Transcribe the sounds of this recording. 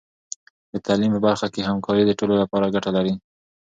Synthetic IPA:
d̪ət̪alimpəbaɾxakehamkʰɑɾid̪əʈololapɑɾaɡaʈalaɾi

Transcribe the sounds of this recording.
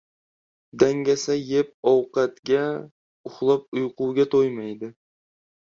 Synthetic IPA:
d̪aŋɡʲasajep̚ɒwqɑt̪ɡʲa | ʊχlˠɑp̚ʊjqʊwɡʲat̪ʰojmajd̪ɪ

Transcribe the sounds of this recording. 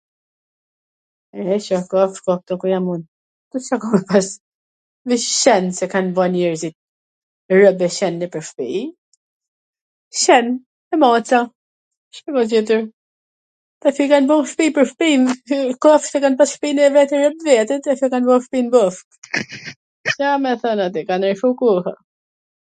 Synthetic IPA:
ɛɛʃɔkɔfʃkɔk̚t̪ɔkujamun | t̪usakɔmɛpas | viʃʃɛnsɛkanvɔnɛɾzit̪̚ | rəbɛʃɛnːɛpəɾfpḭ | ʃɛn | ɛmɔt͡sa | ʃɛvad͡ʒit̪uɾ | t̪afikanbɔmʃpipəɾfpinkɔfsɛkanpasʃpinvɛt̪ɛɾəbvɛt̪ɛt̪ɛfikanvɔfpinbɔf | samɛθɔnat̪ikanɛɾfukuha

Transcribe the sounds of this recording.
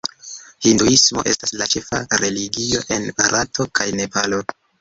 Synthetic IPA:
hinduismo̞ʔe̞̰staslat͡ʃe̞fa̰ɾe̞liɡio̞̰ʔe̞nbaɾʔatʰo̞kʰajne̞palo̞

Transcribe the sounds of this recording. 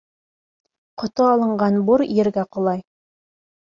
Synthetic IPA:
qŏt̪oɑlˠɤ̆ɴɢɑnbuɾjɘ̆ɾɡæqŏlˠɑj

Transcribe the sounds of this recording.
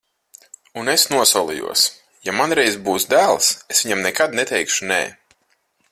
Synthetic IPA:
unesnuɔsulˠḭjṵɔs | jamanɾɛjzbuːsd̪æːlˠsesvʲiɲamnɛkad̪nɛt̪ɛjkʃunɛ̰ː

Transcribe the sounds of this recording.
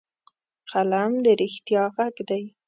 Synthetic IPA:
xalamd̪əɾɪxt̪jɑɣaɡd̪aj

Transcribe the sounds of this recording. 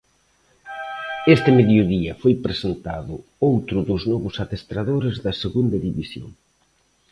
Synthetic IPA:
est̪ɪmeðjoðiɐfojpɾesent̪aðʊ | owt̪ɾʊðʊznɔβʊsaðest̪ɾaðoɾezðɐseɣund̪ɐðiβisjo̰ŋ

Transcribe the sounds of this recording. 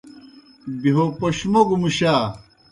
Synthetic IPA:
biɦopoɕmoɡmuɕa

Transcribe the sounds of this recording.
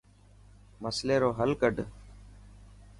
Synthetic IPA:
məsleːɾoːɦəlkəɖ

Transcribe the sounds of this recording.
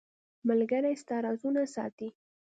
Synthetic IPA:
məlɡaɾajst̪ɑɾɑzunasɑ̰t̪i

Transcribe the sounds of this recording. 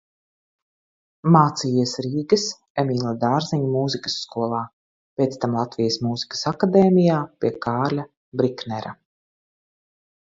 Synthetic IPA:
maːt̪siːisɾiːɡɨs | ɛmiːlˠad̪aːɾziɲumuːzikə̥sːkuɔlˠaː | pʲeːt̪st̪amlˠat̪vijəsmuːzi̥kə̥sakad̪eːmijaːpʲiɛkaːɾlʲa | bɾiknɛɾa

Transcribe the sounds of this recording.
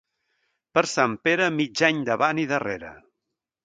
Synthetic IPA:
pəɾsampeɾəmid͡ʒaɲd̪əβaniðəreɾə̰

